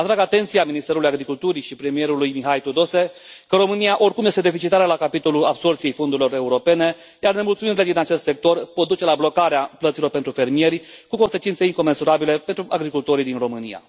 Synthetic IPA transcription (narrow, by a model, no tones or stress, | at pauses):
at̪ɾaɡat̪e̞nt̪sijaminist̪e̞ɾulujaɡɾikult̪uɾiʃipɾemije̞ɾulujmiɦajt̪ud̪o̞se̞ | kəɾo̞mɨnijaʔo̞rkumje̞st̪ed̪e̞fit͡ʃit̪aɾelakapit̪o̞luabso̞rt̪sijejfo̞nd̪uɾilo̞ɾe̞uɾo̞pe̞ne̞ | jarne̞mult̪suminɾile̞d̪inat͡ʃe̞st̪se̞k̚t̪o̞rpot̪̚d̪ut͡ʃe̞lablo̞kaɾeaplət̪silo̞rpent̪ɾufe̞rmije̞ɾʲkuko̞nse̞t͡ʃint̪seiŋko̞me̞nsuɾabile̞pe̞nt̪ɾuʔaɡɾikult̪o̞ɾid̪inro̞mɨnia̰